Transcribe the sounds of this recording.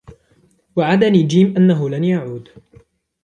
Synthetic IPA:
waʕad̪aniːd͡ʒiːmʔanːaɦʊlanjaʕuːd̪

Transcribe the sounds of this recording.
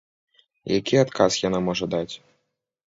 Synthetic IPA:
jakʲiat̪kasjanamɔʐɐd̪at͡sʲ

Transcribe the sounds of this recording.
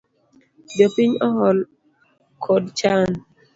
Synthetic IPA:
d͡ʒopiɲɔɦɔl | kʰɔdt͡ʃan

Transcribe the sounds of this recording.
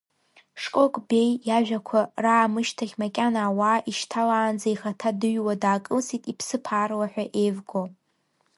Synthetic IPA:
ʂkʼokʼbe̞jːaʒᶣakʷʰaraːmɨʃtʰaχʲmakʲʼanaːwaːʔiʃtʰalaːnd͡zaiχatʰadɨɥwadaːkʼɨlsitʼipʰsɨpʰaːrlaħᶣʷaʔejvɡo

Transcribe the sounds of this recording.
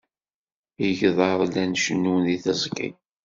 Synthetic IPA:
iʝðˤɑɾˤlænʃənːuwniθəzˤkḭ

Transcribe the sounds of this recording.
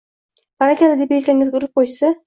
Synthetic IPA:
baɾakʲʰalɪd̪epelkʲaŋʲɪzɡʲʊɾɪp̚qʰojsɪ

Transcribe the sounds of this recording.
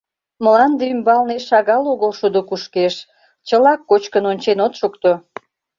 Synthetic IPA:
məlɑnd̪eymbɑlneʃɑɣɑloɣəlʃud̪okuʃkeʃ | t͡ɕəlɑkːot͡ɕkənonʲt͡ɕenot̪ʃukt̪o

